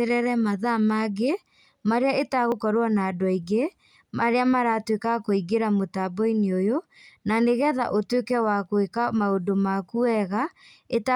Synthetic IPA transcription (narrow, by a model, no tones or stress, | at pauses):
eɾɛɾɛmaðamaɡe | maɾeaetaɣokɔɾowanaːdɔiɣe | maɾeamaɾatwekakoiɡeɾamotabɔineojo | naneɣɛða̰ʔotwekɛwakwekamaodomakuɛɣa | eta